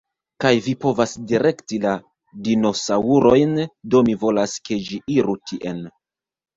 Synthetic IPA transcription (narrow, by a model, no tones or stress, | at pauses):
kajvipo̞vasdiɾe̞ktila | dino̞sauɾo̞jndo̞mivo̞laske̞d͡ʒiʔiɾutʰiʔe̞n